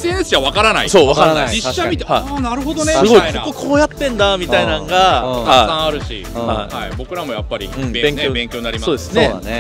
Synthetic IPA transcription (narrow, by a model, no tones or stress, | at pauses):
enesɨ̥aβakaɾanaisoːβakaɾad͡ʑiːamit̪ehainaɾɯ̟ɦod̪osneɨɡoiakokːokʰoːjat̪ːẽ̞nd̪amʲit̪ainãŋɡaaaisãaɾɯ̟ɕḭ | haihaibo̞kɯ̟ɾamo̞japːaɾʲḭɯ̟̃bebẽ̞ŋkʲjobẽŋkʲoːnaɾʲimasoːd̪esɨ̥nḛ